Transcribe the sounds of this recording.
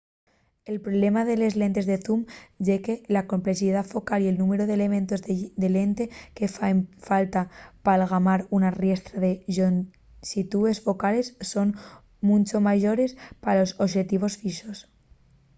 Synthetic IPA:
e̞lpɾoβle̞maðe̞le̞zle̞nt̪e̞zðe̞θumɟ͡ʝe̞ke̞lako̞mple̞siðaðfo̞kalie̞lnũme̞ɾoðele̞mẽ̞nt̪o̞zðd̪e̞le̞nt̪e̞ke̞ffalt̪apalɣ̞amaɾunarje̞st̪ɾaðe̞on | sit̪ue̞sfo̞kale̞sːo̞n | mũnt͡ʃomaʝo̞ɾe̞spaalo̞soʃe̞t̪iβ̞o̞sfiʃo̞s

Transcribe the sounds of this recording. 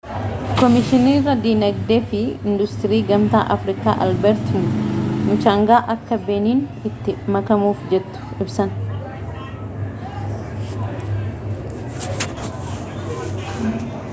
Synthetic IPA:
kɔmɪʃɪniːrːɐd̪iːnɐɡd̪eːfɪɪnd̪ʊst̪ɪɾiːɡɐmt̪aːʔɐfɾɪka̰ːʔɐ̰lbɛɾt̪unmʊt͡ʃaːŋɡaːʔɐkːɐbe̞ːniːnɪt̪ːɪmɐkɐmuːfd͡ʒɛt̪ːʊ̥ɪbsɐn

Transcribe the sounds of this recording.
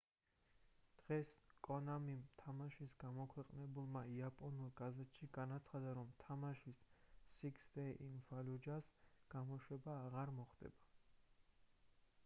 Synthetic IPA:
d̪̥ʁɛskʼɔnamimt̪ʰamaʃisɡamɔkʰwɛqʼnɛbulˠmaiapʼɔnulˠɡazɛt̪ʃiɡanat̪sʰχad̪aɾɔmt̪ʰamaʃisːiksd̪ɛʔinvalud͡ʒasɡ̥amɔʃwɛbaːʁaɾmɔχd̪ɛ̰ba

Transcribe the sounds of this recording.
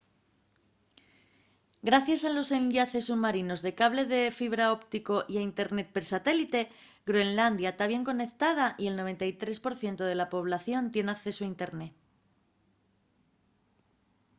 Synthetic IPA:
ɡɾaθjasalo̞se̞ɲʎaθe̞sːuβmaɾino̞zðe̞kaβle̞ðe̞fiβ̞ɾao̞pt̪iko̞ʔiaint̪e̞ɾne̞t̪̚peɾsat̪e̞lit̪e̞ | ɡɾoenland̪jat̪aβje̞ŋko̞ne̞kt̪að̞aʔie̞lno̞βe̞nt̪ajt̪ɾe̞spo̞ɾθje̞nt̪o̞ðe̞lapo̞β̞laθjo̞nt̪je̞nakθe̞soaint̪e̞ɾne̞t̪

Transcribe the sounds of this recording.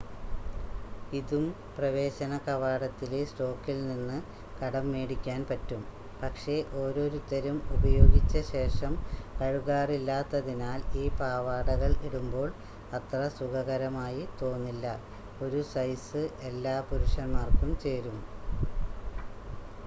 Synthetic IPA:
iðum | prɐʋe̞ːɕɐnɐkɐʋaːɽɐt̪ːilesʈo̞ːkːilninːɨ | kɐɽɐmːeːɽikʲːaːnpɐtːum | pɐkʂe̞ʔo̞ːɾo̞ːɾut̪ːɐɾumubɐjo̞ːɡit͡ɕːɐɕe̞ːʂɐmkɐɻuɣaːrilːaːt̪ːɐðinaːliːpaːʋaːɽɐɣɐɭiɽumbo̞ːɭ | ɐt̪rɐsuɣɐɣɐɾɐmaːjit̪o̞ːnːilːɐ | o̞ɾusɐjsɨʔe̞lːaːpuɾuʂɐnmaːrkumt͡ɕe̞ːɾum

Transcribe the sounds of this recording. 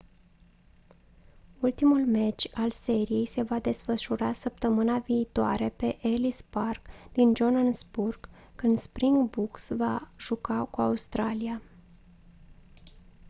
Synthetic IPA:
ult̪imulme̞t͡ʃʲalse̞ɾije̞jse̞vad̪e̞sfəʃuɾasəpt̪əmɨnaviːt̪oa̰ɾe̞pe̞ʔelisparkd̪̥ind͡ʒonansburɡ̥ | kɨnd̪spɾiŋɡbuksvaʒ̥ukakuaust̪ɾalia

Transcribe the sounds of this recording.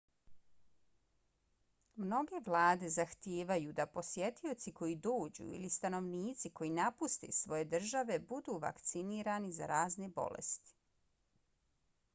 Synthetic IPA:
mno̞ɡe̞ʋlˠaːd̪e̞zaxt̪jeːʋajud̪apo̞sje̞t̪io̞t̪siko̞jid̪oːd͡ʑṵḭlist̪ano̞ʋniːt̪siko̞jinapust̪esʋo̞je̞d̪r̩ʒaʋe̞bud̪uːʋa̰kt̪siniːɾaniza̰ɾaːznebo̞̰lḛst̪i̥

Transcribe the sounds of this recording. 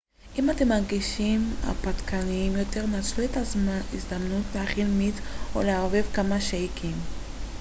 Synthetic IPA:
ʔimate̞mːaʁɡiʃima̰patkʰaniimjo̞te̞ʁnat͡sluetaizd̪amnutleaχilmito̰leavevkamaʃaikʰim

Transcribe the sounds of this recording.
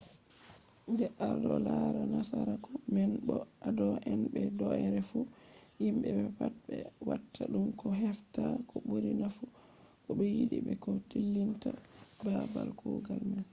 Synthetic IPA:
ndɛʔaɾdɔlaɾanasaɾakɔmɛnbɔadɔʔɛnbɛdɔɛɾɛfuhimbɛbɛpat̚bɛwatʰːaɗumkɔɦɛftakɔɓoɾinafu | kɔɓɛjiɗibɛkɔtilːintababalkʰɔɡalman

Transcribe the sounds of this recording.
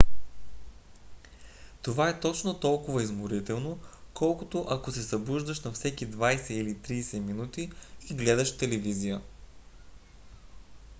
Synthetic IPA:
t̪ovaɛt̪ɔt͡ʃnot̪ɔlˠkʊvɐizmʊɾit̪ɛlˠnokɔlˠkot̪oʔɐkosɛsɐbuʒd̪əʃnɐfsɛkid̪vajsɛilit̪ɾiːsɛminut̪iːɡlɛd̪ɐʃt̪ɛlɛvizijə

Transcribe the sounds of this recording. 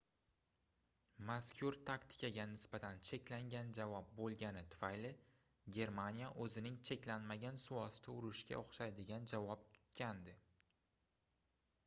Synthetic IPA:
maskʲʰʊɾt̪ʰakt̪ʰɪ̥kʲʰaɡʲanɪsbat̪ʰant͡ʃʰe̞kʲlaŋɡʲand͡ʒavɒp̚bolˠɡʲanɪt̪ʰʊ̥fajlɪ | ɡʲe̞ɾmanijaʔɵzɪnɪŋt͡ʃʰe̞kʲlanmaɡʲansʊɒst̪ʰaʊɾɪʃkʲa̰oχʃajd̪ɪɡʲand͡ʒavɒp̚tʰʊ̥t̪kʲʰand̪ɪ

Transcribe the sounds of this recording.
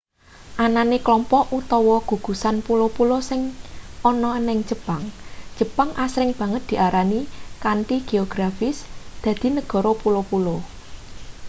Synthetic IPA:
ʔananeklɔmpɔʔʔut̪ɔwɔɡ̥ṳɡ̥ṳsanpulopulosɪŋɔnɔənɪŋd͡ʒə̤paŋd͡ʒ̥ə̤paŋʔasɾɪŋb̥ä̤ŋət̪̚d̪̥i̤ʔaɾanikanʈiɡ̥e̤oɡ̥ɾafɪsd̪̥ä̤d̪̥i̤nəɡ̥ɔ̤ɾopulopulo

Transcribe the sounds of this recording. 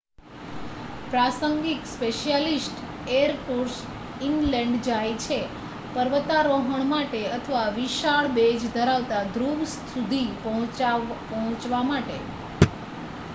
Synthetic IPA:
pɾasəŋɡikspeʃijalisʈ | eəɾpoɾs | inlɛ̃ɳɖd͡ʒajt͡ʃʰe | pəɾʋət̪aɾoɦəɳmaʈeət̪ʰəʋaʋiʃaɭbed͡ʒd̪ʱəɾaʋt̪ad̪ɾuʋst̪ʰud̪ʱĩ | pɔɦɔ̃t͡ʃʋamaʈḛ

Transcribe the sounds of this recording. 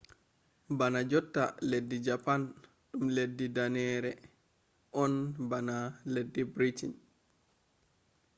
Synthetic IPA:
banad͡ʒɔtːa̰ledːid͡ʒapan | ɗumledːidanɛːɾɛ | ʔɔnbanaledːibɾitin

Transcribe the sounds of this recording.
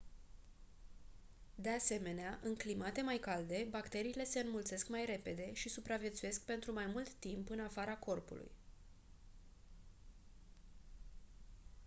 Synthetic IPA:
d̪e̞ase̞me̞neaʔɨŋklimat̪e̞majkald̪e̞bakt̪e̞ɾiːle̞se̞ɨnmult̪se̞skmajɾe̞pe̞d̪e̞ʃisupɾavje̞t̪suje̞sk̚pe̞nt̪ɾumajmult̪ːimpɨnafaɾako̞rpṵlṵj

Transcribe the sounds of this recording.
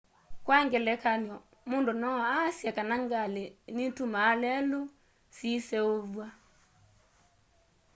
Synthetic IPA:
kwaŋɡɛlɛkanjɔ | mondonɔasjakanaŋɡalenitumaːlɛlo | sisɛoβwa

